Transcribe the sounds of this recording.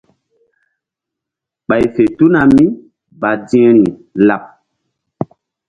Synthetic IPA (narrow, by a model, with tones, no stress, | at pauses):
ɓa˨jfe˨tu˦na˨mi˦ | ba˨di˦ɛ˦ni˨la˨p̚